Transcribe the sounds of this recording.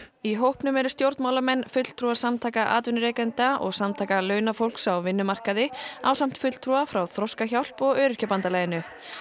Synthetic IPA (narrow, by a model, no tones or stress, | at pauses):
iɦowhpnʏmɛɾʏ̥st̪jowɾt̪maːwlamɛnːfʏt̪l̥t̪ʰɾuasamt̪ʰaːjkaʔa̰ːt̪vʏnʏɾɛkɛnt̪aʔɔ̰ɣsamt̪ʰaːkalœɥnafowl̥ksawvɪnːʏmar̥kaðɪaːwsam̥t̪fʏt̪lt̪ʰɾuafɾawθɾɔskaçawl̥pɔɣœːɾʏ̥capant̪alaːjɪnʏ